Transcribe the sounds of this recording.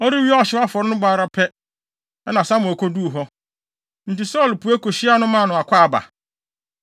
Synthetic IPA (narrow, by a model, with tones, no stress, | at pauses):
ɔ˦ɾi˦wi˦a˨ɕɪ˦a˦fɔ˨ɾɪ˦nʊ̃˦baː˨ɾa˦pʰɛ˦ | ɛ˦nã˨sa˦mʊ̃˨æ˨kʰɔ˦du˦˨ɦɔ˦ | n̩˨ti˨sɔ˦˨lpu˨æ˦ko˨ɕi˦a˦nʊ̃˦mã˦˨nʊ̃˨a˨kʷaː˦a˨ba̰˨